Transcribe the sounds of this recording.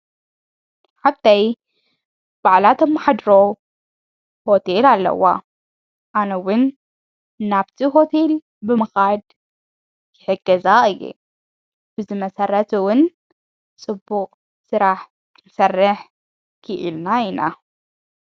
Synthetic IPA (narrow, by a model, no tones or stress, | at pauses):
ħabt̪ʰaj | b̥aʕlat̪ʰomːaħad̪ɾow | ho̞t̪ʰelalːɐ̰wa̰ | ʔanɐwʊnː | aβt̪ʰiɦo̞t̪ʰe̞l | bɨmɨxad̪ | kɪħɨɡːɐzaxɨjːṵ | b̥ɨzɨmɐsɐrːɐt̪ʰwʊn | t͡sʼɨbːuqʼ | sɨɾaħ | kʰɨnsɐrːɨħ | kʰɨʔilnaina